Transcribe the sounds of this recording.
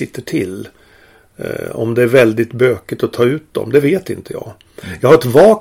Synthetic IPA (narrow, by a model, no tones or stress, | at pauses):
ɪt̪ʰːəʈʰɪlː | ɔ̰md̪ɛæɾvɛld̪ɪt̪bøːkɪt̪ɔt̪ʰɑːʉ̟ːt̪̚d̪ɔ̰md̪ɛveːt̪ɪ̰nt̪ʰəjɑ̰ːɡ | jɑːɡhaɾɛt̪vɑːk